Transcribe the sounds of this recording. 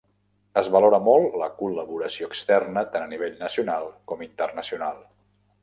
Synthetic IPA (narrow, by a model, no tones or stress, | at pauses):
əzβəloɾəmɔlˠləkuləβuɾəsioəkst̪ɛrnət̪anəniβ̞eʎnəsiunalˠkɔmint̪ərnəsiunalˠ